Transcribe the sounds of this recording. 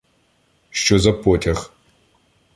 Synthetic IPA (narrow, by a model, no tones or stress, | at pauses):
ʃt͡ʃozɐpʰoːtʰɐx